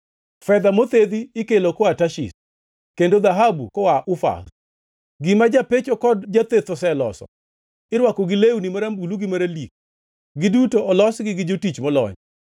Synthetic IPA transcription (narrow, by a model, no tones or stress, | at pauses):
fɛd̪amot̪ed̪iɪkelokɔataʃḭs | kendod̪aɦabukɔwaʔʊfa̰s | ɡɪmad͡ʒapet͡ʃokɔdd͡ʒat̪et̪ɔsɛlɔ̰sɔ̰ | ɪɾwakɔɡɪleunimaɾambuluɡɪmaɾalik̚ | ɡɪdutoɔlɔsɡɪɡɪd͡ʒotit͡ʃmɔlɔ̰ɲ